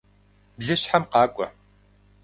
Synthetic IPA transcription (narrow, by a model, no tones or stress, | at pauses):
bɮɨɕħamqɑːkʷʼɔ̰